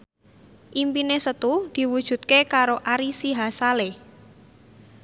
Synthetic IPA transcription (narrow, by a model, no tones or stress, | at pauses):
ʔimpinesət̪ud̪̥i̤wud̥ʒ̥ṳt̪̚kekaɾoʔaɾisiɦasale